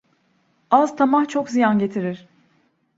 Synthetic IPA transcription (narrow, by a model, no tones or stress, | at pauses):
azt̪ʰamaht͡ʃʰo̞kzijanɟe̞t̪ʰiɾiɾ̥